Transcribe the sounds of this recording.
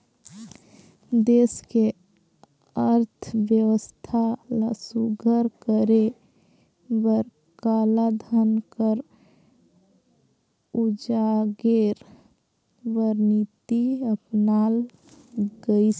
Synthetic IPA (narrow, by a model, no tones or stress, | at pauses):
d̪eske | əɾt̪ʰbjəwəst̪ʰaləsuɡʱəɾkəɾe | bəɾ | kalad̪ʱənkəɾ | ud͡ʒaɡeɾ | bəɾnit̪iəpnal | ɡəis